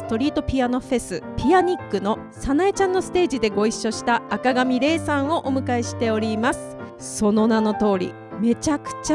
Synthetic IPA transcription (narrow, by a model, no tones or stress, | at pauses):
sɨ̥t̪o̞ɾʲiːt̪o̞pʲiano̞ɸe̞sɨpʲiaɲ̟ikːɯ̟no̞ | sanaet͡ɕãnːo̞sɨ̥t̪e̞ːʑid̪e̞ɡo̞iɕːo̞ɕi̥t̪aːkaɡamʲiɾe̞ːsãɰ̃o̞ʔomɯ̟kaiɕi̥t̪e̞o̞ɾʲimasɨ̥ | so̞no̞nano̞t̪o̞ːɾʲḭ | me̞t͡ɕakɯ̟̥t͡ɕa